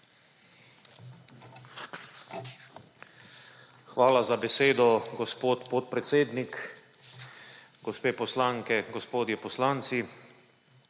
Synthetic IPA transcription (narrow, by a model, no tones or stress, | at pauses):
xʋaːlazabɛseːd̪ɔɡɔspoːt̪pɔt̪̚pɾɛt̪seːd̪nik | ɡɔspeːpɔslaːŋkɛɡɔspoːd̪jɛpɔslaːnt̪si